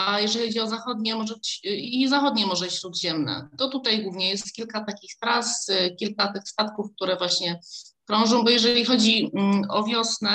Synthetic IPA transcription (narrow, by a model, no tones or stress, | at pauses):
ajɛʐɛlixɔd͡ʑiɔzaxɔd̪ɲɛmɔʐɛbɘt͡ɕizaxɔd̪ɲɛmɔʐɛt͡ɕɕɾud̪ʑɛmnɛ̰t̪ɔt̪ut̪ajɡwuvɲɛjɛst̪̚kʲilkat̪akʲixt̪ɾaskʲilkat̪ɘxst̪at̪kufk̚t̪uɾɛvwaɕɲɛkɾɔ̃w̃ʐɔ̃w̃bɔjɛʐɛlʲixɔd͡ʑiʔɔvʲjɔsnɛ